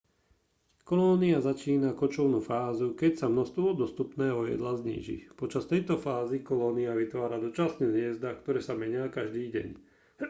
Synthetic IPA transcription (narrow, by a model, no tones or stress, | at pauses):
kɔlɔniazat͡ʃiːnakɔt͡ʃɔʊnufaːzukɛcsamnɔst̪ʋɔd̪ɔst̪upnɛːɦɔjɛ̰d̪lazɲḭːʒḭpɔt͡ʃast̪ɛjt̪ɔfaːzikɔlɔːniaʋit̪ʋaːɾad̪ɔt͡ʃasnɛzɪɛzd̪akt̪ɔɾɛːsamɛɲɪakaʒd̪iːɟɛ̰ɲ